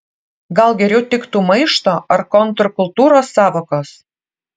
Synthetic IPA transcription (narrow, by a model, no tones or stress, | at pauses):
ɡɑlɡeɾʲot̪ːikt̪uməjʃt̪oərkont̪rkult̪uɾɑsɑβɤ̆kɤs